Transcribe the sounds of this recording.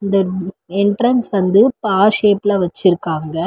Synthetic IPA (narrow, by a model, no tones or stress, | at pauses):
ɪnd̪ɐ | ɛɳʈɾɐnsʋɐnd̪ɯpaːɾʃeːplaːʋɐt͡ʃːɪɾɯkːaːŋɡɐ